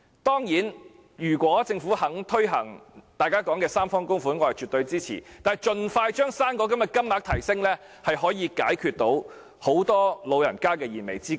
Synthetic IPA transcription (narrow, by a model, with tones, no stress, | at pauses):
t̪ɔː˥ŋjiː˨˥n | jyː˨˩kʷɔː˨˥t͡sɪ˧ŋfuː˨˥hɐ˨˥ŋt̪ʰɵ˥ɥɦɐ˨˩ŋt̪aː˨˧jkaː˥kɔː˨˥ŋkɛː˧saː˥mfɔː˥ŋkʊ˥ŋfuː˨˥nŋɔː˨˧hɐ˨jt͡ʃyː˨˩t̪ɵ˧ɥt͡siː˥t͡sʰḭː˨˩t̪aː˨jt͡ʃɵ˧nfaː˧jt͡ʃœː˥ŋsaː˥nkɔː˧˥kɐ˨˥mjɐ˨t̚kɐ˥mlaː˨˥k̚t̪ʰɐ˨˩jsɪ˥ŋlɛː˥ | hɐ˨jɦɔː˨˥jiː˨˧kaː˨˥jkʰyː˧t̚t̪o˨˥w | ho˨˥wt̪ɔː˥lo˨˧wjɐ˨˩nkaː˥kɛː˧jiː˨˩nme˨˩jt͡siː˥kː